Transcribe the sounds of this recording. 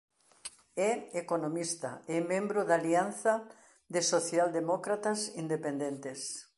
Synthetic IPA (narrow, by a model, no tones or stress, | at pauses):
ɛekonomist̪a̰emẽmbɾoðalianθɐ | ðɪsoθjald̪emɔkɾat̪asind̪epend̪ent̪es